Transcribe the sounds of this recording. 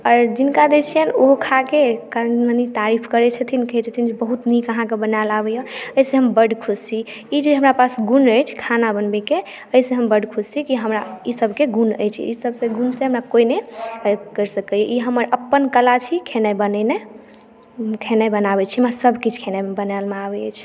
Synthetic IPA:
ɔːɾd͡ʒinkad̪et͡ʃʰijənoɦkʰakekamənit̪aɾipʰkəɾɛt͡ʃʰət̪ʰinkəɦɛt͡ʃʰət̪ʰind͡ʒebəɦut̪nikəɦãkebənalabɛjoəjsẽɦəmbəɖkʰust͡ʃʰi | id͡ʒeɦəmɾapasɡunəjt͡ʃʰkʰanabənbɛke | əisẽɦəmbəɖkʰust͡ʃʰikiɦəmɾaisəbʱkeɡunə̰jt͡ʃʰḭisəbsẽɡunsẽɦəmɾakoine | kəɾsəkəjoʔiɦəməɾʔəpːənkəlat͡ʃʰikʰenabənɛne | kʰenajbənaβɛt͡ʃʰimasəbʱkit͡ʃʰkʰenabənalmeabɛət͡ʃʰ

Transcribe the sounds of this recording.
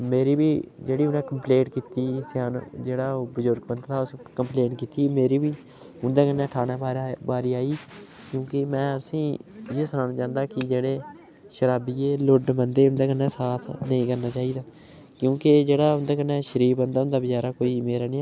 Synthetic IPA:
meːɾiːbiːd͡ʒeːɽiːʊnãːkəmplẽːɳkiːt̪iːsjaːnd͡ʒeːɽaːoːbəzʊɾɡbənd̪t̪aːʊskəmpleːɳkiːt̪iːmeːɾiːbiː | ʊnd̪ãːkənːeːʈʰaːnaːaːbaːɾiːaːiː | kjõːkemɛ̃ːəsĩːjeːsənãːnaːt͡ʃãːnd̪aːkɪd͡ʒeːɽeː | ʃəɾaːbiːeːlʊɖbənd̪eːʊnd̪eːkənːeːsaːt̪ʰnəĩːkəɾnaːt͡ʃaːɦiːd̪aː | kjõːked͡ʒeːɽaːʊnd̪aːkənːeːʃəɾiːbənd̪aːʊnd̪aːbɪt͡ʃaːɾaːkoːiːmeːɾaːnĩː

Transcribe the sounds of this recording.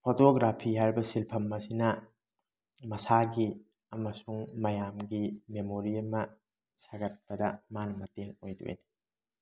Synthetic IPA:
pʰotoɡɾapʰiɦaɾbɐsilpʰɐmːɐsinɐ | mɐsaɡi | ɐmɐsuŋmɐjamɡimemoɾiɐmɐ | saɡɐt̚pɐdɐmanɐmɐteŋojdṵḛjni

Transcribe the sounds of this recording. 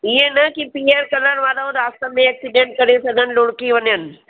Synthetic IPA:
iɦẽnəkipieɾkələnʋaːlaoɾast̪əmẽːksiɖeɳʈ̚kəɾesəɡənloɽkiʋənjən

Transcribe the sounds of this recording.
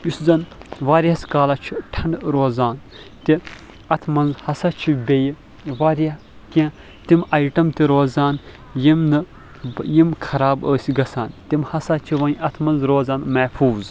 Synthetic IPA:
juszɐnʋaːɾiaskaːlɐt͡ʃʰiʈʰɐɳɖɾoːzaːn | t̪i | ɐt̪ʰmɐnzhɐsaːt͡ʃʰibʲeji | ʋaːɾa | kʲã | t̪imɐjʈɐmt̪iɾoːzaːn | jimnɨ | jimkʰɐɾaːbəːsʲiɡɐsaːnt̪imhɐsat͡ʃʰiʋɐnɐt̪ʰmɐnzɾoːzaːnmɐhfʰuːz

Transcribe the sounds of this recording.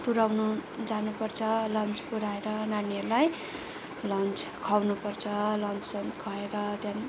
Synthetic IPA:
puɾawnud͡zanupʌrt͡sʰʌlʌnt͡spuɾaeɾʌnaniʌlaj | lʌnt͡skʰawnupʌrt͡sʰʌlʌnt͡ssʌnkʰʌeɾʌt̪jan

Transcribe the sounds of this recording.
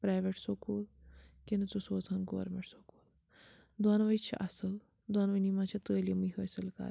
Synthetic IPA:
pɾaːjʋeʈsokuːlkinɨt͡susoːt͡sʰɐnɡo̰ːɾmeʈsokuːl | d̪waːnʋɐt͡ʃʰiʔɐsɨl | d̪wanʋɐnimat͡ʃʰit̪əːlɐmiɦoːsɐlka̰ː

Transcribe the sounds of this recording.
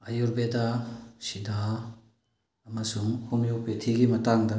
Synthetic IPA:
ɐjuɾbedasida | ɐmɐsuŋhumjok̚petʰiɡimɐtaŋdɐ

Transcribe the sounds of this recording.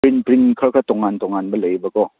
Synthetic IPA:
ɾinpɾinkʰakʰat̪ɔŋːant̪ɔŋːanbaləjbakɔ

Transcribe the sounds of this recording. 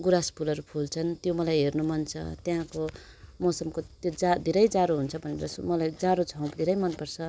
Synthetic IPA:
ɡuɾaspʰulʌɾupʰult͡sʰʌnt̪jomʌlajɦernumʌnt͡sʰʌ̰t̪jãko | mʌsʌmkot̪d͡zad̪ʱeɾʌjd͡zaɾoɦunt͡sʰʌbʱʌnḛɾʌsmʌlajd͡zaɾod͡zʱʌ̃w̃kd̪ʱeɾʌjmʌnpʌrt͡sʰʌ

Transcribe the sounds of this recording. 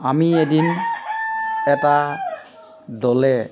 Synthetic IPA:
amiedin | ɛta | dɔlɛ

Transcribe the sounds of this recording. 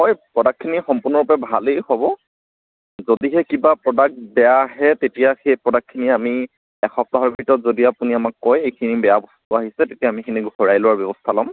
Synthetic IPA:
xɔjpɹɔdakʰːinixɔmpʊɹnɔɹupɛbʱalejhɔbɔ | zodiɦɛkibapɹɔdak̚bɛjaɦɛtetijaxejpɹɔdakʰːiniami | ɛxɔp̚taɦɔɹbɹitɔtzodiapuniamakːɔjejkʰinibɛabɔstʊaɦisɛtetiaːmikʰiniɡhɔɹajlʊwaɹbjɔbɔstʰalɔm

